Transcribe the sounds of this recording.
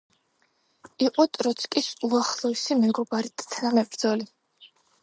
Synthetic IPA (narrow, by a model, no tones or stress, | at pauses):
iqʼɔt̪ʼɾɔt̪sʰkʼisuaχlˠɔisimɛɡɔbaɾit̪ʼt̪ʰnamɛbɾd̪zɔli